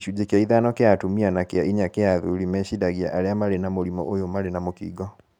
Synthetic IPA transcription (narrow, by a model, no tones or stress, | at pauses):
ʃud͡ʒekaiðanɔkeatumianakeaʔiɲakɛaðulimɛɕidaɣiaʔaɾeamaɾenamolimɔ̰ʔojomaɾenamokḭːɡɔ